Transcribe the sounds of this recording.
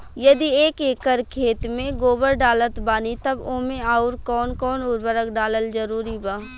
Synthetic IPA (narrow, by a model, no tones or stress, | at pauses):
jɐd̪ieːkeːkəɾkʰeːt̪mẽɡoːbəɾɖaːlət̪baːnit̪ɐbõːmẽaːʊɾkɔːnkɔːnʊɾbəɾəkɖaːləld͡ʒɐɾuːɾibaː